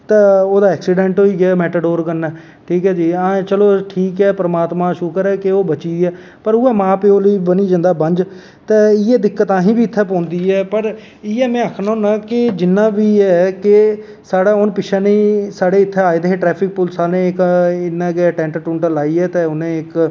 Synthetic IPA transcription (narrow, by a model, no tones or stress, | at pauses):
t̪eːoːd̪aːɛːksɪɖɛ̃ːɳʈɦoːiːɡɪjaːmɛːʈəɖoːɾkəɾnːɛː | ʈʰiːkɦɛːd͡ʒiːãːt͡ʃəloːʈʰiːkɛːpəɾəmaːt̪mãːʃʊkəɾɛːkɪoːbət͡ʃiːɛː | pəɾʊɛːmãːpeːoːliːbəniːd͡ʒãːnd̪aːbəɲd͡ʒ | t̪eːɪɛːd̪ɪkːət̪ãːɦĩːbʱiːɪt̪ʰːɛːpɔ̃ːnd̪iːɛːpəɾ | ɪːɛːmɛ̃ːaːkʰnõːnãːkɪd͡ʒɪnːãːʋiːɛːkɪ | saːɽaːʊnpɪʃʰɛːniːsaːɽeːɪt̪ʰːɛːaːeːd̪eɦeːʈɾɛːpʰɪk̚pʊlsaːlnẽːɪkɪnːɛ̃ːɡeaːʈɛ̃ːɳʈəʈʊ̃ːɳʈəlaːiːɛːt̪eːʊnẽːɪk